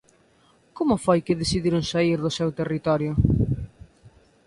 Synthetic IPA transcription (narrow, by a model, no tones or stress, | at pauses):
komʊfojkɪðesiðiɾʊŋsaiɾðʊsɛwt̪erit̪ɔɾjʊ